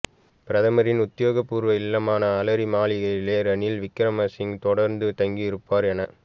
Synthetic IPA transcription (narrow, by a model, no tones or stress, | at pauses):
pɪɾɐðɐmɐɾɪnʊt̪ːɪjoːɣɐpːuːɾʋɐɪlːɐmaːnɐːlɐɾimaːlɪɣɐjɪleːɾɐnilʋɪkːɪɾɐmɐsɪŋt̪ɔɽɐɾnd̪ɯt̪ɐŋɡijɪɾɯpːaːɾɛnɐ